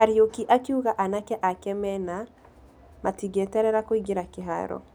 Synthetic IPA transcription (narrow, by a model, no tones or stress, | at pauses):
aɾjokiʔakiuɣaʔanakɛʔakɛmɛna | matiɡɛtɛɾɛɾakoiɡeɾakɪɦa̰ɾɔ̰